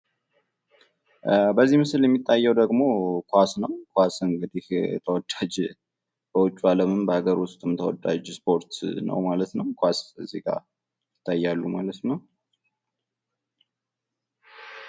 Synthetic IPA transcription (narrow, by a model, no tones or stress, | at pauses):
bəzːimɨsɨljɛmːit̪ʼːajːɛwd̪əɡmo̞kʰwasnəwkʰasɨŋɡɨd̪iht̪ʰəwɔd̪ːad͡ʒ | b̥əwʊt͡ʃʼːualəmɨmbəhaɡəɾʊst̪ʼɨmt̪ʰəwɔ̰d̪a̰d͡ʒspʰo̞ɾt̪nə̰wmalət̪nəwkʰʷasfizikʼa̰ | jɪt̪ʰːajːalːumalət̪nəw